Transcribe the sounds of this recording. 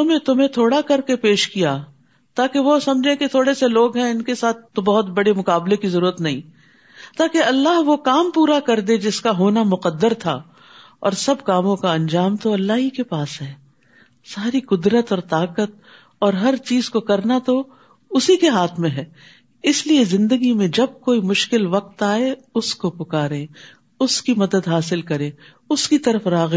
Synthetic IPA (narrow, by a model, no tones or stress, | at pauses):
ʊmẽt̪ʊmɦẽt̪ʰoːɽakɐɾkepeːʃkija | t̪aːkeʋosɐ̃md͡ʒʱẽket̪ʰoːɽeseloːɡɦɛ̃ɪnkesaːt̪ʰːobɐɦʊt̪bɐɽemʊkaːblekizɐɾuːɾət̪nɐɦĩː | t̪aːkeɐlːaːɦʋokaːmpuːɾakɐɾd̪ed͡ʒɪskaɦoːnamʊqəd̪ːəɾt̪ʰa̰ | ɔ̰ːɾsɐb̚kaːmõkaɐ̃nd͡ʒaːmt̪oɐlːaːɦikepaːsɦɛː | saːɾiqʊd̪ɾət̪ɔːɾt̪aːqət̪̚ | ɔːɾɦɐɾt͡ʃiːzkokɐɾnat̪o | ʊsikeɦaːt̪ʰmẽɦɛː | ɪsliezɪ̃nd̪əɡimẽd͡ʒɐb̚koːimʊʃkɪlʋɐq̚t̪aːeʊskopʊkaːɾẽ | ʊskimɐd̪əd̪ɦaːsɪlkɐɾẽː | ʊskit̪ɐɾəfɾaːɣ